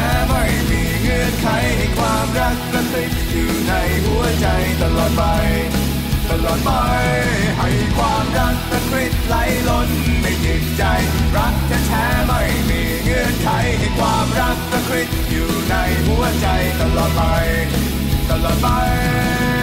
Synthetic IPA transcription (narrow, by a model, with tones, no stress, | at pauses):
ɛː˧˥ma˧˩jmiː˧˥ŋɯ˧˩ənkʰa˧jɦa˧˩jkʰwaː˧mɾa˦˥k̚pɾa˧si˨˩t̪̚juː˨˩na˧jɦu˧˩˥ɐt͡ɕa˧jt̪a˧lɔː˨˩t̪̚pa˧j | t̪ʰa˧˩lɔː˨˩t̪̚pa˧jɦa˧˩jkʰwaː˧mɾa˦˥k̚pɾa˧kʰɾi˦˥t̪̚la˧˥jlo˧nma˥˩jt͡ɕi˨˩t̚t͡ɕa˧jɾa˦˥k̚t̪ʰɛː˧˩t̪ʰɛː˧˦˥ma˥˩jmiː˧ŋɯ˧˩ənkʰa˧˥jɦa˧˩jkʰwaː˧mɾa˦˥k̚pɾa˧kʰɾi˦˥t̪̚juː˨˩na˧jɦu˧˩ɐt͡ɕa˧jt̪a˧˩lɔː˨˩t̪̚pa˧j | t̪a˧˩lɔː˨˩t̪̚pa˧j